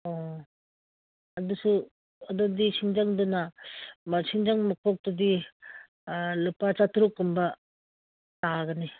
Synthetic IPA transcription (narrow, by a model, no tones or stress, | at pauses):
o | ɐdusu | ɐdodisiŋd͡ʒaŋdunɐmɐɾsiŋd͡ʒaŋmakʰok̚tudi | lupat͡ʃatʰuɾukːumbɐ | taɡɐni